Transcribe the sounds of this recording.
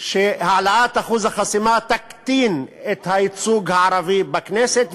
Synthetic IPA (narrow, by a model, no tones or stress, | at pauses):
ʃehaʕalaat̪aχuzaχasimat̪akt̪inet̪hait͡suɡhaaɾavibakneset̪